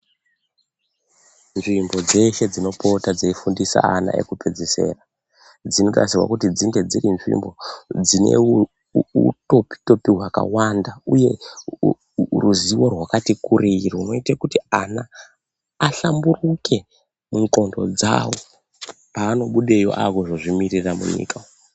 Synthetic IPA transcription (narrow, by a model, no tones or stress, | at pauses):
nʐimbo̞d͡ze̞ʃe̞d͡zino̞po̞tad͡zeifundisa̰ːna̰ḛkuped͡zese̞̰ra | d͡zino̞ta̰sirwa̰kutid͡ziŋɡe̞d͡zirinʐḭmbo̞d͡zine̞̰ | ṵto̞pi̥to̞piɦwaka̰wandauje̞ | ruziwo̞rwakatikuɾirouno̞itakutiana | aɬamburuke̞ | muŋko̞ndo̞d͡za̰wo̞̰ | paːno̞ɓuɗejo̞̰ʔakoʐoʐimiriramṵɲḭːka